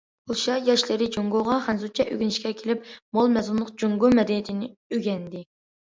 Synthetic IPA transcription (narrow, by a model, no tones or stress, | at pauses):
uʃɑjɑʃlɪɾɪd͡ʒoŋɡoʁɑχɛnzut͡ʃʰɛʔø̰ɡʲinɪʃkʲɛkʲʰelɪpmolˠmɛzunːəqd͡ʒoŋɡomɛd̪ɛnit̪ʰɪnɪøɡʲɛnd̪ɪ